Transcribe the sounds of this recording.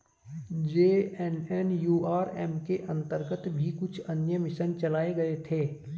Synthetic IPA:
d͡ʒeːɛnɛːnjuːaːɾɛːmkeʔɐ̃nt̪əɾɡət̪bʱikʊt͡ʃʰɐnjəmɪsənt͡ʃɐlaːeɡɐet̪ʰeː

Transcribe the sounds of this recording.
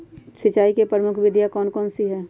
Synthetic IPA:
sɪt͡ʃaːikepɾəmʊkʰʋɪd̪ʱjakɔːnkɔːnsiɦɛː

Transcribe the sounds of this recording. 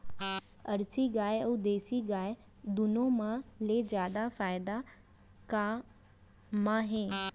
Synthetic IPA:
ɐɾsiɡaːjəːd̪eːsiɡaːj | d̪ʊnomãled͡ʑjaːd̪afaːɪd̪a | ka | mãɦẽː

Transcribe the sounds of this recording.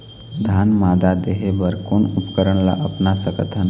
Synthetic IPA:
d̪ʱanmad̪ad̪eɦebəɾkonupkəɾəɳla̰ʔəpnasəkət̪ʰan

